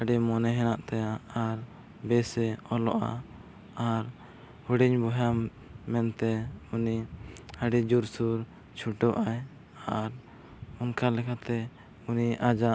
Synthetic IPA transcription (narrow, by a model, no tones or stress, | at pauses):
əɖɛmɔnɛɦɛnaʔt̪ɛaːɾ | bɛsɛɔlɔ̰ʔa̰ | aɾ | huɽiɲbuɦa | mɛnt̪ɛuniaɖid͡ʒuɾsuɾ | t͡ʃʰuʈɔʔaj | aɾ | unkalɛkʰat̪ɛ | uniʔad͡ʒa